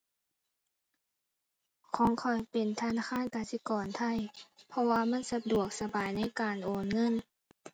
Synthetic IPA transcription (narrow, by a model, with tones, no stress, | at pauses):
kʰɔː˨˦ŋkʰɔ˨˩jpe˨˩nt̪ʰaː˧naː˧˩aː˧˥˨nkaː˨˩si˧˦kɔː˨˩nt̪ʰa˧˩˨jpʰɔ˧waː˧ma˧˥˨nsa˧du˨˩ək̚sa˧baː˨˩jna˧˥˨jkaː˨˩nʔoː˨˩nŋɤ˧˥˨n